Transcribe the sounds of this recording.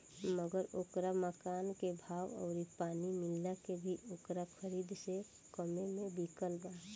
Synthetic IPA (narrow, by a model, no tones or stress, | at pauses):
məɡəɾoːkɾaməkaːnkebʱaːwɔ̰ʊɾipaːnimɪlːakebʱiʔoːkɾakʰəɾiːd̪se | kəmemẽbikəlba